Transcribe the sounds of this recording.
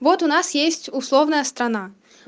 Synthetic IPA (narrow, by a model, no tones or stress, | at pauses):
vɔt̪ʊnasjesʲtʲʊslˠovnəjəst̪ɾɐna